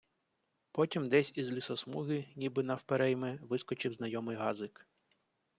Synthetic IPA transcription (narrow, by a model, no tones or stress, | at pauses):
pɔtʲimd̪ɛsʲizlʲisɔsmuɦɪnʲibɪnɐwpeɾɛjmɛʋɪskɔt͡ʃɪwznɐjɔmɪjɦɑzɪk